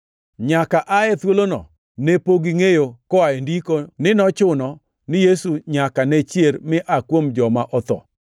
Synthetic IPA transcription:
ɲakaʔaɛt̪wolonɔ̰ | nepoɡɪŋejokɔaendikonɪnɔt͡ʃʊnɔ | nɪjesuɲakanɛt͡ʃjeɾmɪʔakwomd͡ʒɔmaʔɔt̪ɔ̰

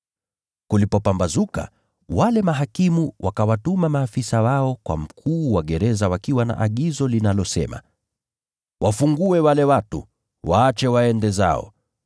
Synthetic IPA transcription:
kulipɔpambazuka̰ | walɛmaɦakimuwʔakawatumamaːfisawaɔkwa̰m̩kʰuːwaɠɛɾɛzawakiwana̰ʔaɠizɔlinalɔsɛ̰ma̰ | wʔafuŋɡuɛwalɛwatṵ | waːt͡ʃɛwaɛndɛza̰ɔ̰

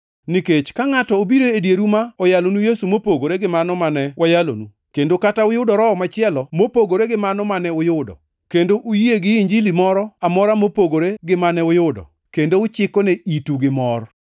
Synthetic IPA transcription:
niket͡ʃkaŋatɔobiɾoedjeɾumaɔjalonujesumopoɡoɾeɡɪmanɔmanɛwʔajalo̰nu | kendokataʊjʊdɔɾɔɔmat͡ʃɪɛlɔmopoɡoɾeɡɪmanɔmanɛʊjʊdɔ̰ | kendoʔujieɡɪiɲd͡ʒilimɔɾɔamɔɾamopoɡoɾeɡɪmanɛʊjʊdɔ̰ | kendoʊt͡ʃɪkɔneituɡɪmɔr

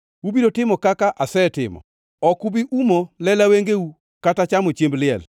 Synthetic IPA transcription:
wubiɾotɪmɔkakaʔasɛtɪmɔ̰ | ɔkubiʔumɔlɛlaweŋɡeu | katat͡ʃamot͡ʃemblɪɛ̰l

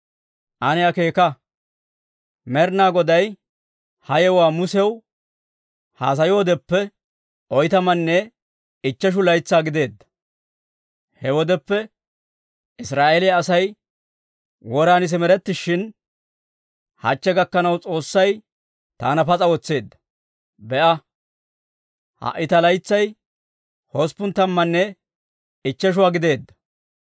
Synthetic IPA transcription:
ʔɐnɛɐke̞ːkɐ | mɛɾnaːɡɔd̪ɐj | hɐjɛwaːmʊsɛw | ha̰ːs̬ɐjoːd̪ɛpːɛ | ʔɔjt̪ɐmɐnːɛ | ɪt͡ʃːɐʃ̬ʊlɐjt͡sːaːɡɪd̪e̞ːd̪ːɐ̥ | hɛwɔd̪ɛpːɛ | ɪsɾaːʔelɪjaːsɐj | wɔɾaːnɪs̬ɪmɛɾɛt̪ːɪʃːɪn | hɐ̰t͡ʃːɛɡɐkːɐnɐwt͡sʼo̞ːsːɐj | t̪a̰ːnɐpɐt͡sʼɐwɔt͡sːe̞ːd̪ːɐ̥ | bɛʔɐ | hɐ̰ʔːɪt̪ɐlɐjt͡sːɐj | hɔspʊnt̪ːɐmːɐnːɛ | ɪt͡ʃːɛʃ̬ʊwaːɡɪd̪e̞ːd̪ːɐ̥

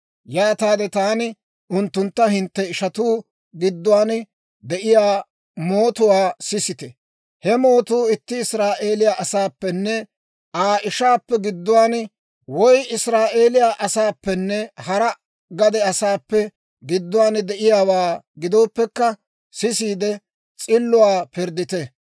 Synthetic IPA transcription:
jaːt̪aːd̪ɛt̪aːnɪ | ʔʊnt̪ːʊnt̪ːɐɦɪnt̪ːɛɪʃɐt̪uː | ɡɪd̪ːʊwaːn | d̪ɛʔɪjaː | moːt̪ʊwaːsɪsɪt̪ɛ | hɛmo̞ːt̪uːɪt̪ːɪɪsɾaːʔe̞ːlɪjaʔɐsaːpːɛnːɛ | ʔaːʔɪʃaːpːɛɡɪd̪ːʊwaːn | wɔjɪsɾaːʔe̞ːlɪjaːʔɐsaːpːɛnːɛhɐɾɐ | ɡɐd̪ɛɐsaːpːɛ | ɡɪd̪ːʊwaːnd̪ɛʔɪjaːwaːɡɪd̪o̞ːpːɛkːɐ | sɪsiːd̪ɛ | t͡sʼɪlːʊwaːpɪɾd̪ɪt̪ɛ

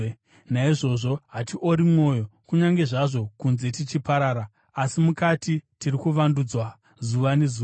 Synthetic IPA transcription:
naiʐo̞ʐo̞ɦatiʔoɾimŋo̞jo̞kuɲaŋɡe̞ʐaʐo̞kunze̞tit͡ʃipaɾaːɾaː | simukatitirikuʋandud͡zwa | zuʋane̞zuː

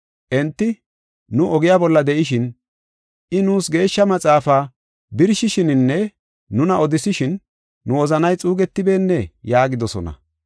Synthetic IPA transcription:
ʔɛnt̪ːɪ | nʊʔɔɡɪjaːbɔlːɐd̪ɛʔɪʃ̬ɪn | ʔɪnuːsɡe̞ːʃːɐmɐt͡sʼaːfaː | bɪɾʃɪʃɪnɪnːɛː | ʊnɐɔd̪ɪsɪʃɪnː | ʊɔzɐnɐjt͡sʼuːɡɛt̪ːɪbe̞ːnːɛjaːɡɪd̪ɔsɔ̰nɐ̰

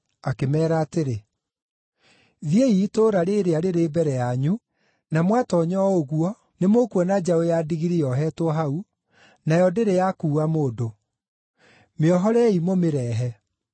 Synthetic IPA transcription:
akemɛːɾaːteɾe | ðieitoːɾaɾeɾeaɾeɾeːbɛɾɛjaɲu | namwatɔɲɔoɣuɔ | nemokuɔnad͡ʒaojadiɣiɾiɔɦɛtwɔɦau | najɔdeɾejakuːamoːdo | meɔɦɔɾɛimomeɾɛːɦɛ

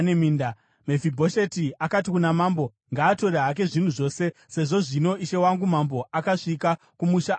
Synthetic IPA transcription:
nemiːnda | mevibʱo̞ʃetiakat̬ikunamaːmbo̞ | ŋɡaːto̞ɾeɦak̬e̞ʐin̤uʐo̞ːse̞se̞ʐo̞ʐino̞iʃe̞waŋɡumambo̞akaʂika | kumuʃa

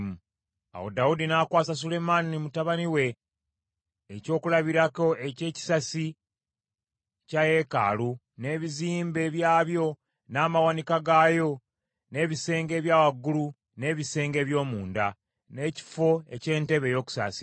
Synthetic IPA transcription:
mu | a̰wo̞̰daudinakwaːsas̬ule̞manimutaβaniwe̞ | co̞ːkulaβiɾako̞ece̞ːci̥sasi | caje̞ka̰ːlu | ne̞ːβiziːmbe̞ːβjaːβjo̞ | naːmawanikaɡaːjo̞ | ne̞ːβise̞ːŋɡe̞ːβjaːwaɡːulu | ne̞ːβise̞ːŋɡe̞ːβjo̞ːmuːnda | ne̞ci̥fo̞e̞̰ce̞ːnte̞βe̞jo̞ːku̥sa̰si̥

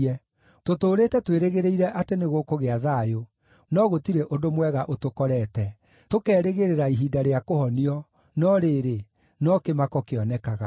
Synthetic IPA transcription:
ɛ | totoːɾeːtɛtweɾeɣeɾeiɾɛʔateneɣokoɣeaðaːjo | nɔɣotiɾeʔodomwɛɣaʔotokɔɾɛtɛ | tokɛːɾeɣeɾeɾaiɦiːdaɾeakohɔniɔ | nɔɾeːɾe | nɔkemakɔkeɔnɛkaɣa

